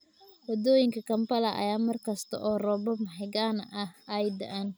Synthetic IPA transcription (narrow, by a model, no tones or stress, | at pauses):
wɐd̪ɔːjɪŋkʰɐkʰɐmpɐlɐʔɐ̰jaːmɐrkʰɐst̪ʰɐ̰ʔɔːrɔːbɔmɐħɪɣaːnʔɐhɐjd̪ɐɐn